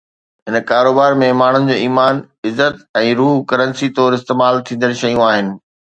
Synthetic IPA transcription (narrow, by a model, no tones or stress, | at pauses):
ɦɪnkaːɾoːbaːɾmẽmaːɳ̤ʊnɪ̆d͡ʑoːiːmaːn | ɪzːət̪̚ɛ̃ːɾuːɦkɐɾə̃nsit̪ɔːɾɪst̪eːmaːlt̪ʰĩːn̆d̪əɾʃɐjũaːɦɪnɪ̆